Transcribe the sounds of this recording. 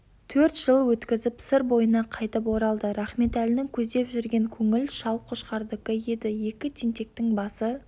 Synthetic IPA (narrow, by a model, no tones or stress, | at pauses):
t̪ʰɵɾt̪ʒ̥əlˠwɵt̪kʲɪzɪpsɪɾbo̞jənɑqʰɑjt̪əp̬woɾɑlˠd̪əɾɑχme̞t̪ælɪnɪŋkʲʰɵzd̪e̞pʒʏɾɡʲe̞ŋkʲʰɵŋɪlʃɑlˠqʰoʃqɑɾd̪əkəje̞d̪ɪje̞kʲɪt̪ʲʰint̪e̞k̚t̪ɪŋbɑsə